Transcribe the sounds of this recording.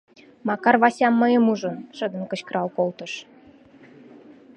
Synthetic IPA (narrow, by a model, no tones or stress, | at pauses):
mɑkɑrβɑsʲɑmːə̆jə̆muʒə̆nʃəd̪ə̆nkə̆t͡ɕkəɾɑlkolt̪ə̆ʃ